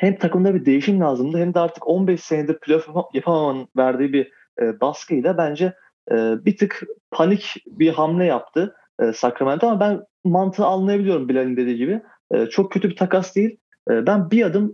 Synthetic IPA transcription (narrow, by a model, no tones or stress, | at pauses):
hɛmt̪ʰakɯmd̪abid̪e̞jiʃimlʲaːzɯmd̪ɯhɛmd̪ɛaɾt̪ʰɯ̥ko̞nbɛʃseɦnd̪iɾpʰylʲofjapʰamamanɯnvæɾd̪iːibiː | baskʰɯjlʲabænd͡ʒɛː | bit̪ʰɯkpʰanicbiɦamlʲɛjap̚t̪ʰɯː | sakɾamænʰamabæn | mant̪ʰɯalˠːajabilʲijo̞ɾumbilʲalʲind̪e̞d̪iːɟibɪ | ɛ̰ːt͡ʃʰo̞k̚cʰøt̪ybit̪ʰakasd̪ejilʲ | ɛːbænbiad̪ɯm